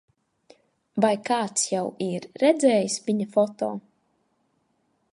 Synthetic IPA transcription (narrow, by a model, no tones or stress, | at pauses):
vajkaːt̪sjawiɾːɛd̪zɛːjisviɲafɔt̪ɔː